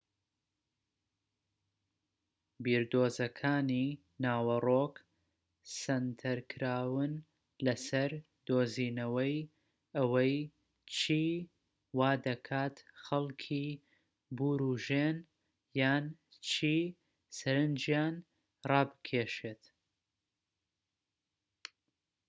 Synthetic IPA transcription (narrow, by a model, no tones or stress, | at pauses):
biːɾd̪oːzɐkʰaːni | naːwɐroːk | sɐnt̪ʰɐɾkʰɨɾaːwɨn | lɐsɐɾ | d̪oːziːnɐwɐj | ɐwɐj | t͡ʃʰiː | waːd̪ɐkʰaːt̪xɐlkʰiː | buːɾuʒen | jaːnt͡ʃʰiː | sɐɾɨnd͡ʒjaːn | rɑːbɨ̥kʲʰeːʃeːt̪